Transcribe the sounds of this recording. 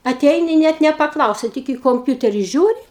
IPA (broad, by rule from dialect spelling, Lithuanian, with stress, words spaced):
ɐˈtʲɛɪnʲɪ ˈnʲɛt nʲɛpɐˈklˠɐʊsʲɛ ˈtʲɪk iː koːmʲˈpʲʊtʲɛrʲɪ ˈʒʲuːrʲɪ